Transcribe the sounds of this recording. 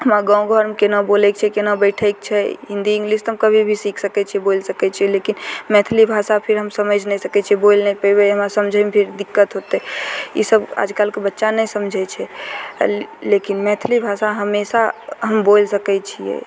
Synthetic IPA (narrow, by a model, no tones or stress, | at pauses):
ɦəmaɡãw̃ɡʱəɾmkenabolɛk̚t͡ʃʰɛkenabəɪʈʰɛk̚t͡ʃʰɛɦĩnd̪iĩŋɡlist̪ɦəmkəbʱibʱisikʰsəkɛt͡ʃʰɛbolsəkɛt͡ʃʰɛlekinmɛ̃t̪ʰlibʱasapʰiɾɦəmsəməd͡ʒʱnɛsəkɛt͡ʃʰɛbolnɛipəibeɦəmasəmd͡ʒʱɛmepʰiɾd̪ikːət̪ɦot̪eḭsəba̰d͡ʒkalkebətːʃanəjsəmd͡ʒʱɛt͡ʃʰɛ | lekinmɛ̃t̪ʰlibʱasaɦəmesaɦəmbolsəkɛt͡ʃʰijɛ̰